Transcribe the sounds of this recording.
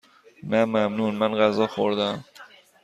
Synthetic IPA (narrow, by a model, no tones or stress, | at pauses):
næmæmnuːnmænɢæzɒːxo̰ɾd̪æm